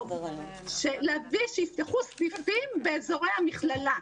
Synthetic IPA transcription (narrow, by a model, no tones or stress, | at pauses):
ʃelaviʃejist̪aχusdifimbeːzo̞ʁejhamiχlala